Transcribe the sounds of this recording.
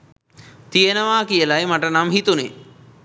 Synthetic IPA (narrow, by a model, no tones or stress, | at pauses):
t̪ijenəʋaːkijəlajmaʈənamhit̪une